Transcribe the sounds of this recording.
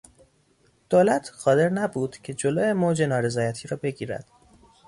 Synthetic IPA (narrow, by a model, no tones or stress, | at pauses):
d̪̥oːlæt̪ʰɢɒːd̪e̞ɾnæbuːd̪̥cʰe̞d͡ʒoloːjemoːd͡ʒe̞nɒːɾe̞zɒːjæt̪ʰiːɾɒːbe̞ɟiːɾæ̰d̪̥